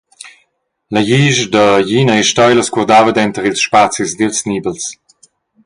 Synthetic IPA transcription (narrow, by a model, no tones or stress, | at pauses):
ləjiʒd̪əjinəiʃtɔjləskuʁd̪avəd̪ɛnt̪əʁilsʃpat͡sizd̪ilsniːbəls